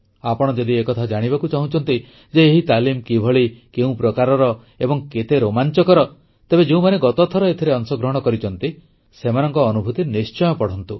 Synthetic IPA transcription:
apɔɽ̃ɔd͡ʒɔd̪iekɔt̪ʰad͡ʒaɽ̃ibakut͡ʃaɦũt͡ʃʰɔnt̪i | d͡ʒeːɦit̪alimkibʱɔɭikeũpɾɔkaɾɔɾɔ | ebɔŋket̪eɾomant͡ʃɔkɔɾɔ | t̪ebed͡ʒeũmaneɡɔt̪ɔt̪ʰɔɾɔet̪ʰiɾeɔnsɔɡɾɔɦɔɽ̃kɔɾit͡ʃɔnt̪i | semanɔŋkɔːnubʱut̪inist͡ʃɔjɔpɔɽ̤ɔnt̪u

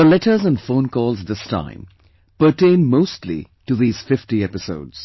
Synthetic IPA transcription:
ðəlɛʈə˞zə̃nfõʊ̃nkɔːlˠzðɪstʰã̰ɪ̃m | pə˞ʈẽɪ̃nmoʊstlḭ | ʈuðiːz̥fɪfʈiɛpɪso̰ʊdz̥

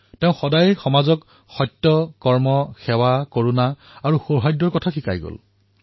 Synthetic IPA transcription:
teʊ̃xɔdajxɔmazɔk | xɔjtːɔkɔɹmɔxɛwakoɹuna | aɹuxoɹɦajdɔɹkɔtʰaxʰika̰jɡo̰l

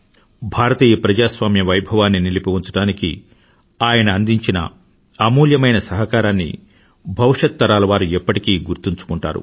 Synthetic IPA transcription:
bʱaːɾɐt̪iːjɐpɾɐd͡ʒaːsʋaːmjɐʋɐjbʱɐʋaːnːinilipoʋuɲt͡ʃɐʈaːnikḭ | aːjɐnɐːnd̪iɲt͡ʃinɐ̰ | ɐmuːljɐmɐjnɐsɐɦɐkaːɾaːnːḭ | bʱɐʋiʂɐt̪ːɐɾaːlɐʋaːɾuɛpːɐʈikiːɡuɾt̪iɲt͡ʃu̥kuɳʈa̰ːɾṵ

